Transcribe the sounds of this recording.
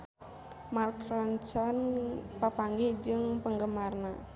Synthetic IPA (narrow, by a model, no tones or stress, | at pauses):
markrɔɲt͡ʃɔnpapaŋɡid͡ʒɨŋpəŋɡəmarna